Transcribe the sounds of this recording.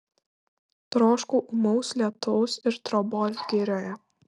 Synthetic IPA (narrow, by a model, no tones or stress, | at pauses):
t̪ɾoːʃkuːʔʊmɔʊslʲɛt̪ʊʊsɪɾt̪ɾɔbɔːlʲɡʲɪɾʲoːjɛ